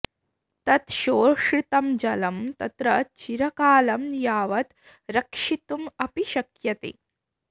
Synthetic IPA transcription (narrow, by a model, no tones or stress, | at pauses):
t̪ɐt̪ʃoːʂɾit̪ɐmd͡ʒɐlɐmt̪ɐt̪ɾɐt͡ʃiɾɐkaːlɐmjaːʋɐt̪ | ɾɐkʂit̪umɐpiʃɐkjɐt̪ḛ